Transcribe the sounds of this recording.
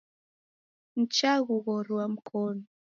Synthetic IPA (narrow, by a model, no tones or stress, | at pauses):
n̩t͡ʃaɣuɣɔɾwam̩kʰɔnɔ